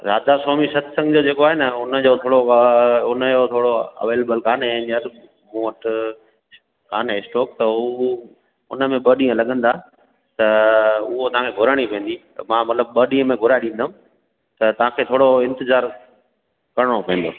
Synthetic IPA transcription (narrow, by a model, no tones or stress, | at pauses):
za̰ːd̪asoːmisɐt̪ʰsɐ̃ŋɡd͡ʑod͡ʑeːkoaːɦenɐʊnəd͡ʑoːt̪ʰoːɽoʊnəot̪ʰoːɽoɐ̰ʋeːlebəlkaːnẽɲəɾ | mũəʈ | kaːnsʈɔːk̚t̪ɐ | ʊ̰nəmẽɓəːɗĩːə̃lɐɠə̃nd̪a | t̪ɐʊɦot̪ɐʋɦãkʰeɡʱʊɾəɽ̃ipẽːn̆d̪itmãːmɐt̪ləb̚ɓəːɗĩːə̃mẽɡʱʊɾaɗĩːnd̪əɦũ | t̪ɐt̪ɐʋ̤ãːkʰeːt̪ʰoːɽoɪ̃nt̪ɪzaːɾ | kɐɾəɽ̃opɐ̃ːn̆d̪o̰ː